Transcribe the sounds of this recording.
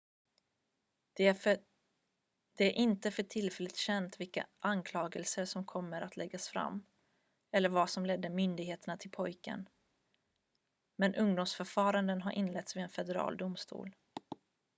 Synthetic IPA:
d̪̥ɛæɾʔɪnt̪əfœʈʰɪlfɛlːət̪ɕɛnt̪vɪlka̰ʔankʰlɑːɡəlsəʂɔmkʰɔmːəɾʔat̪lɛɡːasfɾa̰mː | ɛlːəɾvasɔmlɛd̪ːəmʏnd̪ɪɡheːt̪əɳat̪ʰɪlpʰɔjkə̰n | mɛnʔɵŋd̪ʊmsfœɾfɑːɾand̪ənɦaɾʔɪnlɛt̪svɪɛnfɛd̪ɛɾɑ̰ːld̪ʊmst̪ṵːl

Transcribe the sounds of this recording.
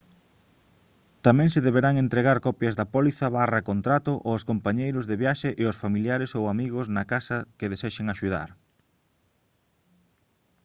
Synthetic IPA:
t̪amɛ̃ŋseðeβeɾaŋent̪ɾeɣaɾkɔpjɐzðɐpɔliθɐβarɐkont̪ɾat̪ʊʔoskompaɲejɾʊzðeβjaʃeʔɪosfamiljaɾɪsowamiɣʊsnɐkasɐkɪðeseʃeŋaʃuða̰ɾ

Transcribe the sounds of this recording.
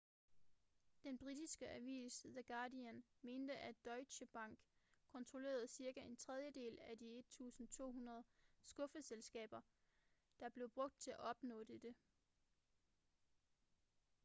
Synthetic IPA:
d̥enb̥ʁid̥isɡ̥əʔæʋḭːsðæɡ̥ɑ̈ːdiænme̝ːnd̥əʔæ̥ɒ̽ɪɕəb̥ɑ̈ŋ̰ɡ̥kʰɒ̽nt͡sʰʁole̝̰ːɐð̞̩ˠsiɐɡ̥æʔe̝nt͡sʰʁɛð̞ˠjəd̥e̝̰ːlæd̥ie̝d̥̚t͡sʰṵːsn̩t͡sʰo̝̰ːɦunɐð̞ˠsɡ̥ɔ̽fəselsɡ̥ɛ̰ːb̥ɐ | d̥ɑ̈b̥le̝ʊb̥ʁɔ̽ɡ̥̚d̥̚t͡sʰe̝æʔɒ̽b̥nɔ̰̽ːd̥e̝d̥e̝

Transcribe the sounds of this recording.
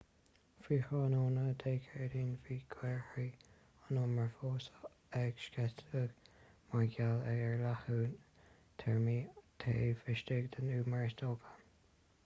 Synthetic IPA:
fiːxɑːnoːnəd̪ʰeːkʰɛɹdiːnviːɡ̥wɛɹhɹi | ənɔməɹfoːsə | ɛɡ̥ʃkɛtəɡmaɡalɛɛɹlahuːn | t̪ʰɛɹmiːt̪ʰeːfɪʃtɪɡd̪ənuːmaɹɪst̪oːɡə̥

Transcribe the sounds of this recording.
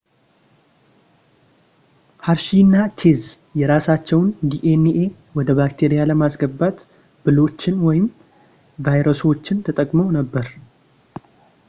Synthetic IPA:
haɾʃinːat͡ʃʰez | jɛɾasat͡ʃːɛwnd̪iʔeniʔe | wɔd̪əβakt̪ʰe̞ɾijaləmasɡəbːat̪ | b̥ɨlo̞t͡ʃːɪnwɔjɪm | vajɾəso̞t͡ʃːɪnt̪ʰət̪ʼəkʼmownəbːəɾ

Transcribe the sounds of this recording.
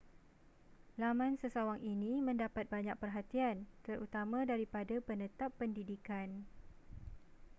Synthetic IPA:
lamãnsəsawaŋinĩmə̃ndapat̪̚baɲak̚pərɦat̪iant̪əɾut̪amãdaɾipadapənət̪apːəndidikan

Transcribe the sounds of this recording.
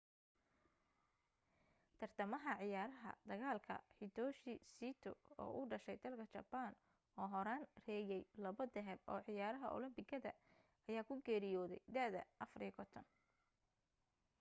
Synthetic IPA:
t̪ʰɐrt̪ʰɐmɐɦɐʕɪjaːɾɐɦɐ̰d̪̥ɐɣaːlkʰɐ̰ħɪd̪ʰɔːʃɪsiːt̪ʰɔ̰ɔ̰ːʔʊɖɐʃɛjd̪ɐlkʰɐt͡ʃɐ̰ban | ɔːɦɔɾaːnrɛːjɛjlɐβɔd̪ɛɦɛbɔ̰ːʕɪjaːɾɐɦɐʔɔ̰lɪmbɪɡɐðɐ̰ | ɐjaːkʰʊɡɛːɾɪjɔːðɛ̰jd̪ɐðɐ̰ʔɐfɐɾjkʰɔt̪ʰɔn

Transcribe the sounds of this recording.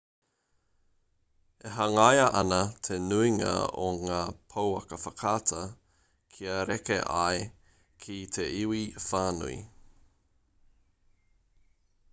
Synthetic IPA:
eɦɐŋajɐʔɐnɐt̪ʰenuiŋɐ̰o̰ŋaːpʰowɐkəfɐkʰaːtʰɐ | kʰiɐɾekḛʔa̰e | kʰit̪ʰeʔiwifaːnṵḭ

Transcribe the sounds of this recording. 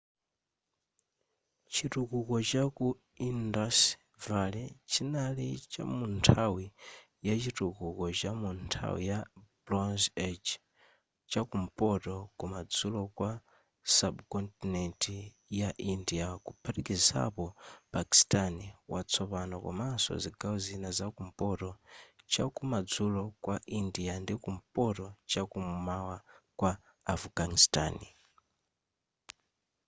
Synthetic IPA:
t͡ʃitukukɔt͡ʃaku | indas | valɛt͡ʃinalit͡ʃa̰muntʰawi | jat͡ʃitukukɔt͡ʃamuntʰa̰wḭjablɔnzɛd͡ʒ | t͡ʃakum̩pʼɔtɔkumad͡zulɔkwa | sabkɔntinɛnti | jaʔindiakupʰaɾikiza̰pɔpaki̥staniwʔat͡sʰɔpanɔka̰masɔ̰ziɡawɔzinazakum̩pɔtɔt͡ʃakumad͡zulɔkwaʔindiandikum̩pɔtɔt͡ʃakumumawakwaː | fɡanista̰ːni

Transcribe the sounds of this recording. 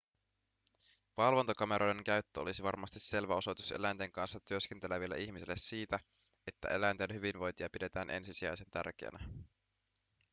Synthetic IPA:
ʋɑlʋo̞nt̪okɑme̞ɾo̞jde̞ŋkæɥt̪ːøo̞̰lisiʋɑrmɑst̪isːe̞lʋæo̞so̞jt̪use̞̰læjnt̪e̞ŋkɑnsːɑt̪yø̞ske̞nt̪eleʋilːæ̰ʔiçmisilːesːiːt̪æ | e̞t̪ːæ̰ʔe̞læjnt̪enɦyʋinʋo̞jnt̪iɑpide̞t̪æːnʔe̞̰nsisiæ̰jse̞nt̪æ̰rk̟ḛæ̰næ

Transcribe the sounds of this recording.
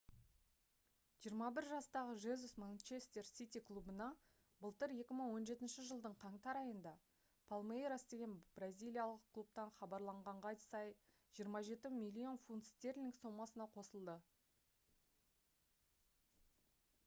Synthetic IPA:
ʒijəɾmɑbɪɾʒɑst̪ɑʁəʒezusmanʲt͡ʃe̞st̪e̞ɾsʲit̪ijklˠubənɑ | bəlˠt̪əɾje̞kʲɪməɴwo̞nʒe̞t̪ɪnʃɪʒəlˠd̪əɴqʰɑɴt̪ɑɾɑjənd̪ɑ | pʰalˠmejɾasd̪e̞ɡʲe̞nbrazʲijlʲˠijalˠəqkʰlˠup̚t̪ɑnχɑbɑɾlˠɑɴʁɑɴʁɑj̪sɑj | ʒ̥ijəɾmɑʒe̞t̪ɪmʲilʲːio̞nfunt̪st̪e̞rlʲiŋkso̞mɑsənɑqʰo̞səlˠd̪ə

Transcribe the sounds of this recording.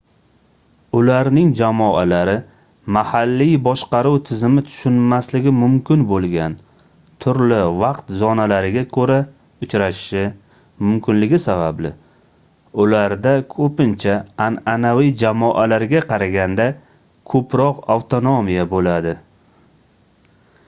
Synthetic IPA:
ʊlaɾnɪŋd͡ʒamɒʔalaɾɪ | mahalːijbɒʃqɑɾuwt̪ʰɪzɪmɪt̪ʰʊ̥ʃʊnmaslɪɡʲɪmʊmkʲʰɪnbolˠɡʲan | t̪ʰʊɾlɪvɑqt̪zɒnalaɾɪɡʲakʰɵɾa | ʊt͡ʃɾaʃɪ̥ʃɪ | mʊmkʲɪnlɪɡʲɪsabablɪ̰ | ʊlaɾd̪akʰɵpɪnt͡ʃʰaananawijd͡ʒamɒʔalaɾɡʲaqʰɑɾaɡʲand̪a | kʰɵpɾɒqawt̪ʰonomijabolad̪ɪ

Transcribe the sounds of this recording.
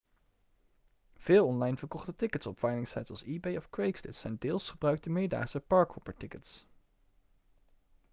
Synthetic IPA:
v̥ɪːlˠɔnlɑjnvəɹkɔχtətɪkətsɔpfɑjlɪŋsɛjtsɔlˠsiːbejɔfkɹejksdɪ̰tsɛjndɪːlˠsχəbrœɥk̚təmɪːɹda̰ːχsəpɑɹkhɔpəɹtɪkəts

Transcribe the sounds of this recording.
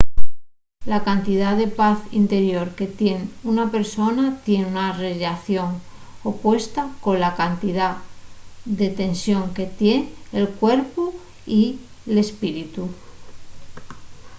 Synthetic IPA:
lakant̪iðaðe̞paθḭnt̪e̞ɾjo̞ɾke̞t̪je̞nunape̞ɾso̞nat̪je̞nunareʝaθjo̞ŋo̞pwe̞st̪ako̞nlakant̪iða | ðe̞t̪e̞nsjo̞ŋke̞t̪je̞nelkwe̞ɾpo | i | le̞spiɾit̪u

